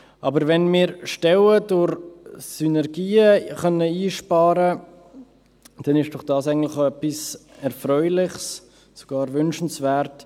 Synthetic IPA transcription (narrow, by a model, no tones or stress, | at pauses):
ʔɑbəɾvɛnmɪːɾʃtɛwədʊɾsynɛɾɡiːəχœnəiːʃpɑːɾə | d̥ɛnɪʃd̥ʊχd̥ɑːsæɪɡən̩tlɪχɛpis | ɛɾfɾœʏlɪχs | so̥ɡ̥ɑːɾvʏnʃn̩svɛːɾt